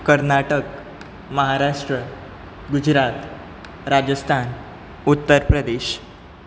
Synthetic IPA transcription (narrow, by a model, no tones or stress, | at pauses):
kəɾnaʈək | məɦaɾaʂʈɾə | ɡud͡ʑɾat̪ | ɾad͡ʑəst̪ʰan | ut̪ːəɾpɾəd̪eɕ